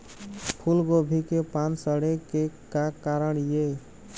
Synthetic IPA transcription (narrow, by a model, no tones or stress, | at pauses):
pʰulɡobʱikepansəɽekekakaɾəɳje